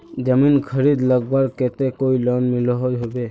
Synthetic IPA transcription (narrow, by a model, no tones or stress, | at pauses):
d͡ʒəminkʰəɾid̪ləɡbaɾket̪ekoilɔnmilɔɦɔjɦobe